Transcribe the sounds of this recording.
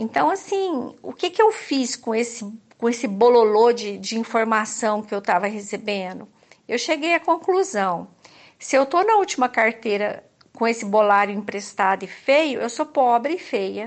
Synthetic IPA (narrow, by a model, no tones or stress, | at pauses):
ẽnt̪ɐ̃w̃asĩʊ̰kɪkɪewfiskõesɪkõesɪbololod͡ʒɪd͡ʒɪĩfoɾmasɐ̃w̃kɪewt̪avɐɦesebẽd̪ʊ | ewʃeɡejɐkõkluzɐ̃w̃ | sɪewt̪onɐut͡ʃimɐkaɾt̪eɾɐ | kõesɪbolaɾjʊĩpɾest̪ad̪ʊɪfejʊʔewsopɔbɾɪːfejɐ